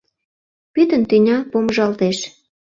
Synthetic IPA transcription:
pyt̪ə̆nt̪ynʲɑpoməʒɑlt̪eʃ

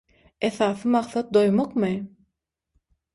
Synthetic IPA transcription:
eθɑːθɯmɑqθɑt̪̚d̪o̞jmoqmɯ

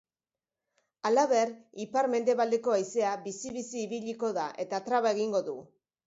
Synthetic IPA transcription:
alaβe̞ɾipaɾme̞nd̪e̞βald̪e̞ko̞ajse̞aβisiβisiːβiʎiko̞ðaʔe̞t̪at̪ɾaβae̞ɣiŋɡo̞ðu

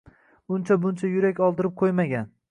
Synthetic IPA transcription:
ʊnt͡ʃʰabʊnt͡ʃʰajʊɾakʲɒlˠd̪ɪɾɪp̚qʰojmaɡʲan

